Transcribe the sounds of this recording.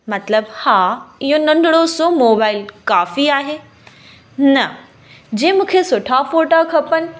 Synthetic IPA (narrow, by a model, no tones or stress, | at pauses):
mɐt̪ləbhaːɪɦonɐ̃nɖɽosomoːbaːɪlkaːfiaːɦeː | nɐ | d͡ʑẽɦmũːkʰesʊʈʰafoːʈakʰɐpənɪ̆